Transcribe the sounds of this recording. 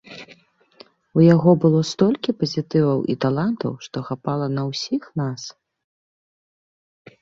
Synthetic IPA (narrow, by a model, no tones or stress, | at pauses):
ujaɣɔbɨlˠɔst̪ɔlʲkʲipɐzʲit̪ɨvɐwʔḭt̪alˠant̪ɐ̰wʂt̪ɔxapalˠɐnɐwsʲixnas